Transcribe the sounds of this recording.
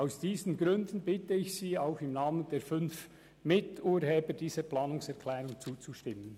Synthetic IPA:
aʊsd̥iːznɡɾʏndn̩bɪtəɪçsiːaʊxɪmnaːmənd̥eːɾfʏnf | mɪtuːɾɦheːbəd̥iːzəɾplɑːnʊŋsɛʁkʰlɛːɾʊŋt͡suːt͡suʃtɪmːən

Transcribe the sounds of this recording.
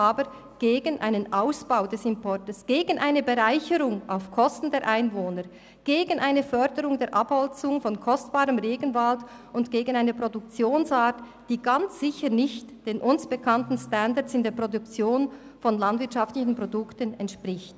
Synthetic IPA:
ʔaːbəɾ | ɡ̥eːɡənʔa̰ɪnənʔaʊsb̥aʊdɛsɪmpʰɔɾtəsɡ̥eːɡən̩ʔaɪnəbeʁaɪçəɾʊŋa̰ʊfkʰɔstn̩deːɐʔaɪnvoːnə | ɡ̥eːɡənʔaɪnəfœɾdəɾʊŋdeːɐɾʔaphɔlt͡sʊŋfɔnkʰɔstb̥aːʁəmʁeːɡənvalt | ʊndɡ̥eːɡən̩aɪnəpʁodʊk̚t͡sjoːnsaːt | d̥iːɡant͡sz̥ɪçənɪçtd̥eːnʔʊnsb̥əkʰantn̩standat͡sɪndeːɐpʁodʊkt͡sjoːn | fɔnlandvɪɐtʃɑftlɪçn̩pʁ̥odʊktənɛntʃpʁɪçt

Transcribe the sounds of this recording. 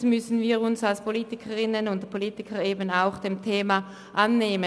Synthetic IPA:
mʏsn̩viːʁʊnsalspʰoliːtɪkʰəʁɪnənʊntpʰoliːtɪkʰəeːbənaʊxd̥emtʰeːma | ʔanːeːmə

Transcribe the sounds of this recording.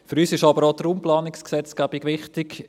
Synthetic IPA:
fyɾyːsɪʃɑbəɾodəɾumplɑːnɪksksɛt͡sɡ̥æbɪɡʋɪχtɪk

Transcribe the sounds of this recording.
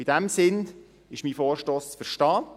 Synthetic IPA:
ɪd̥ɛmsɪn | ɪʃmiːfoːɾʃtoːst͡sfəɾʃtɑː

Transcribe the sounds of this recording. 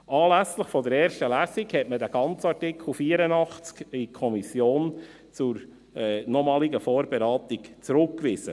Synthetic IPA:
ʔɑːlæsləχfɔdəɾɛːɾʃtəlæːsikhɛtməd̪æɡ̥ɑnt͡sɑtɪkl̩fiːəɾənɑχt͡skikʰɔmisjoːn | t͡sʊɾ | ɛnɔmɑːliɡəfɔːɾbɛɾɑːt̪ikt͡sɾɵkːʋɪz̥ə̰

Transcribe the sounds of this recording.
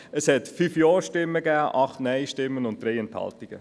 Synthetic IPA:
əshɛtfyfjɑːɾʃtɪmːəɡæːʔɑχtnɛɪʃtɪmːənʊntd̥ɾɛɪɛnthɑ̰ltiɡ̥ə

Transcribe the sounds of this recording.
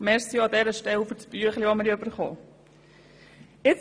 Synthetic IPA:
mɛɾsiɑd̪ɛɾəʃtɛwfət͡sb̥yəχliʋoməɾiøbəɾχo̰ː | ɪt͡s

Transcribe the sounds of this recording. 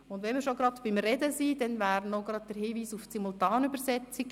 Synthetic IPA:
ʊndʋɛnmiːɾʃoɡɾɑdb̥ɪmrɛdəsiːd̥ɛnʋæːɾnoɡɾɑd̚d̥əɾhiːʋiːsuft͡simultɑːnybəɾsɛt͡siɡ

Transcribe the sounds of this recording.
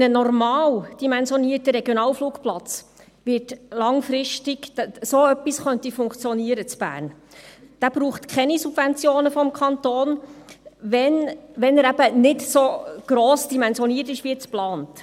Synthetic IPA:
nənɔrmɑːld̥imɛnzjɔniːətəɾɛɡjonɑːlfluːkplɑt͡s | ʋɪtlɑŋfɾɪʃtiɡsoːœpːisχœntifʊŋkt͡sjɔniəɾət͡sb̥æ̰ːɾnd̥æːb̥ɾuːχtkʰχɛnisub̥vɛnt͡sjoːnəfɔmkʰɑnt̪oːn | ʋɛnʋɛnəɾæb̥ənɪtsoɡ̥ɾoːsd̥imɛnzjɔniːərtɪʃʋiɛt͡splɑːnt

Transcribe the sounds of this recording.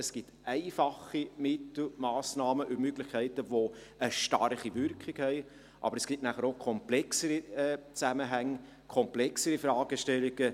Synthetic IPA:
əsɡ̥itɛɪfɑχimɪtl̩mɑːsnɑːməʔymøɡlɪχkʰɛɪtəʋoəʃtɑ̰rχivʏɾkχɪkhɛɪ | ʔɑ̰bəɾəsɡ̥itnæχəɾokʰɔmplɛksəɾiɛːt͡sæməɦæŋː | kʰɔmplɛksəɾifɾɑːɡ̥əʃtɛlːiɡ̥ə

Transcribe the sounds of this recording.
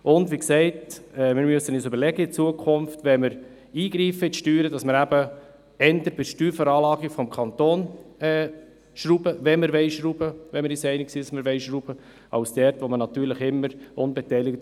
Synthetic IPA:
ʊndʋiksɛɪtɛmɪɾmyəsːənisøbəɾlɛɡəɪt͡suəkʰʊmftʋɛməɾ | iːɡɾiːfəɪtʃtyːɾədɑsməɾæbə | ɛnd̪əɾb̥ɪʃtyːɾfəɾɑːlɑːɡifɔmkʰɑnt̪oːnɛː | ʃɾubəvɛməɾʋɛɪʃɾub̥əʋɛməɾisɛɪnɪksiːdsməɾʋɛɪʃɾub̥ə | ɑ̰ʊsd̥ɛɾtʋomənɑt̪yːɾləχɪmːəɾʊnbɛtɛɪlɪkt

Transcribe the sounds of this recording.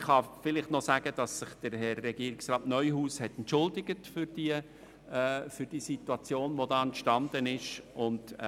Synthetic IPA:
χχɑfɪlɪχtnɔsæːɡ̥əd̥ɑsːɪχd̥əɾhɛrːɛɡiəɾɪksrɑːtnœʏhuːshɛtɛntt͡ʃʊldɪɡ̥ətfʏɾd̥i | fʏɾd̥iːsituɑt͡sjoːnʋodɑːɛntʃtɑnd̥̪ənɪʃʊnd

